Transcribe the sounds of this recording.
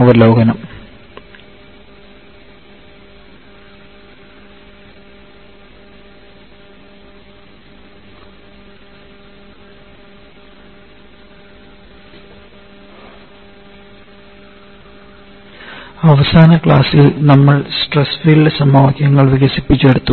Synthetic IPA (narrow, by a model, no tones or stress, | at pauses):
ɐʋɐlo̞ːɡɐnɐm | ɐʋɐsaːnɐkɭaːsilnɐmːɐɭsʈresfiɭɖsɐmɐʋɐkjɐŋːɐɭʋiɣɐsipːit͡ɕːeɽut̪ːu